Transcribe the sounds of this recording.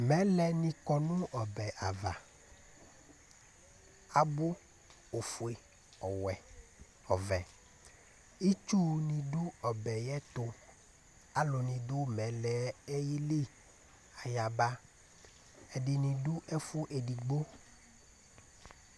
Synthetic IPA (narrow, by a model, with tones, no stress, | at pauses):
mɛ̃˨˦lɛ˨nĩ˨kɔ˨nũ˦ɔ˨bɛ˨ʔa˨va̰˨ | a˨bo˦ | o˨fu˨e˨ | ɔ˨wɛ˨ | ɔ˨vɛ˨ | i˦t͡ʃu˦nĩ˨ɖu˦ɔ˨bɛ˨jɛ˦t̪o˦ | a˦lo˨nĩ˨d̪o˦mɛ̃˨lɛ˨ɛ˦ji˦li˦ | a˨ja˨ba˦ | ɛ˨ɖi˨nĩ˨ɖu˦ʔɛ˦fu˦ʔe˨ɖi˨ɡ͡bo˦